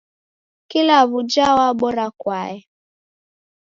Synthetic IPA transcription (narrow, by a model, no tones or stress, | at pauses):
kilaβud͡ʒawaɓɔɾakwaɛ